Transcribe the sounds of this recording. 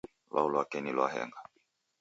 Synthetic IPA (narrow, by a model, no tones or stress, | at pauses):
lwa̰ulwakɛnilwaɦɛ̰ŋɡa